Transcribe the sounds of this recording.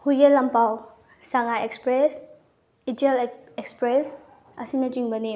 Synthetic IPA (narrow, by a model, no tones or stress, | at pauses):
huɡelɐmpaw | saŋaekspɾes | itelekspɾes | ɐsinɐt͡ʃiŋbɐni